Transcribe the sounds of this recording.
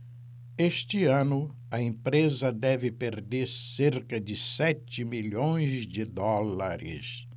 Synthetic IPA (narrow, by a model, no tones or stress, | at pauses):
eʃt͡ʃɪɐ̃nʊ | ɐẽpɾezɐd̪ɛvɪpeɾd̪eɾseɾkɐd͡ʒɪsɛt͡ʃɪmiʎõj̃zd͡ʒɪd̪ɔlaɾɪ̰s